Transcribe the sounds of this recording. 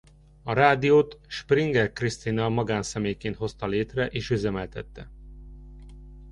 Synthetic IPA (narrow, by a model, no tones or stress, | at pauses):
ɒɾaːd̪ijoːt̪ʃpriŋɡɛrkrist̪inɒmɒɡaːnsɛmeːjkeːnt̪ho̞st̪ɒleːt̪rɛʔeːʃyzɛmɛlt̪ɛt̪ːɛ